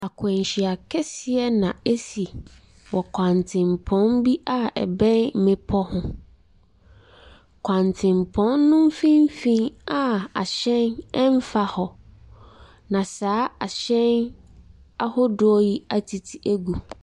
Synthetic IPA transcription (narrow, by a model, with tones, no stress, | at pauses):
a˨kʰɛ̃˨ɲ˨ɕi˨a˨kʰɛ˦sɪ˨ɛ˦nã˨e˦si˨ | wɔ˨kʷʰã˨ntʰɪ̃˨mpʰɔ̃˨˦nbi˦a˦ɛ̰˨bɛ̃˦n̩˦mɪ̃˦pʰɔ˦hʊ̃˦ | kʷʰã˨ntʰɪ̃˨mpʰɔ̃˨˦nːʊ̃˦m˦fĩ˦m˦fĩ˦na˦a̰˨ɕɛ̃˦nɛ˦m˦fa˦hɔ˨ | nã˨saː˨˦a˨ɕɛ̃˦n | a˦hɔ˦dʊ˨˦ɔ˦ji˦a˨tʰi˨tʰi˨ʔæ˦ɡu˨